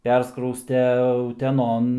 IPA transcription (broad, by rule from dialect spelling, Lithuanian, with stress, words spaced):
ˈpʲɛrskrɐʊsʲtʲɛ ʊtʲɛˈnoːn